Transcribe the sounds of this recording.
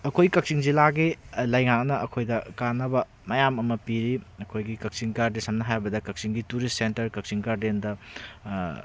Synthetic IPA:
ɐkʰojkɐk̚siŋzilaɡilɐjŋak̚nɐɐkʰojdɐkanɐbɐ | mɐjamɐmɐpiɾiɐkʰojɡikɐk̚siŋɡaɾdesɐmnɐɦajbɐdɐkɐk̚siŋɡituɾistsentɐɾkɐk̚siŋɡaɾdendɐ

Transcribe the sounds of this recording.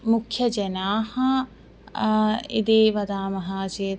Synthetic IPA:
mʊkʰjɐd͡ʒɐnaːhɐ | ḭd̪eːʋɐd̪aːmɐɦaːt͡ʃeː

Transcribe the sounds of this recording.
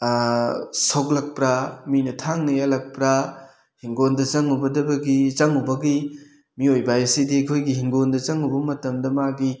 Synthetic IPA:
sok̚lɐk̚pɾaminɐtʰaŋnɐjalɐk̚pɾa | hiŋɡondɐt͡ʃɐŋubɐdɐbɐɡit͡ʃɐŋubɐɡi | miojbajɐsidikʰojɡiɦiŋɡondɐt͡ʃɐŋubɐmɐtɐmdɐmaɡi

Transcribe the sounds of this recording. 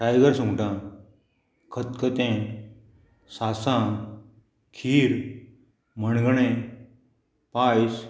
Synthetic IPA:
ʈajɡəɾsũŋʈã | kʰət̪kət̪ẽ | sasã | kʰiːɾ | məɳɡɳẽ | pajs

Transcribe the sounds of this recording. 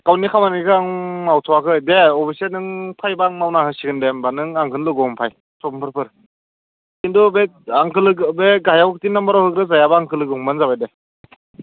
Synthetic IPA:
kawnikʰawmanɡikʰaŋmawtʰɔwakʰɯdeɔbʰisenɯŋpʰajbaŋmawnahɯsiɡɯndembanɯŋaŋkʰɯnlɯɡɔmpʰaj | sɔbmpʰɯɾpʰɯɾ | kindubeaŋkʰɯlɯɡbeɡajawkʰɯtinːambaɾawhɯk̚ɾɯzajabaːŋkʰɯlɯɡɯuŋbanzabajde

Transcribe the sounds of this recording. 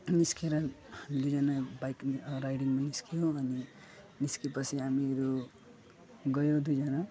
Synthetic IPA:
niskeɾʌhamid̪ud͡zʌnabajkɾajɽiŋmaniskijoʌni | niskipʌsʰiɦamiɾu | ɡʌjod̪ujd͡zʌna

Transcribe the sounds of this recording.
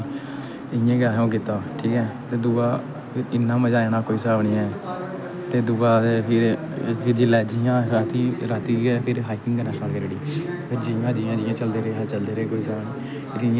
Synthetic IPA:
ɪjẽːɡaːɦõːk̬ɪt̪aːʈʰiːkɛ̃ːt̪eːd̪ʊɡaː | pʰɪɾɪnːãːməd͡ʒaːeːnaːkoːiːsəaːʋnĩːɛː | t̪eːd̪ʊɡaːt̪eːpʰɪɾ | pʰɪɾd͡ʒɪlɛːd͡ʒijãːɾaːt̪iːɾaːt̪iːɡepʰɪɾɦaːikɪŋɡɡənɛːʃnəlkəɾeɽiː | pʰeɾd͡ʒijãːd͡ʒiːjãːd͡ʒɪːãːt͡ʃəld̪eːɾeːɦɛːt͡ʃəld̪eːɾeːkoːiːsaːbniː | ɾɪ̃

